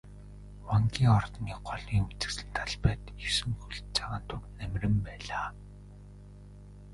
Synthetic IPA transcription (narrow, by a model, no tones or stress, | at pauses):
waŋɡʲiːŋɔrt̪niːɢɔɮiːŋut͡sɘ̆ksɘ̆nt̪ʰaɮpæːt̪isɘ̆ŋxuɮt͡sʰaʁaːnt̪ʰuknæmrɘ̆mpæːɮaː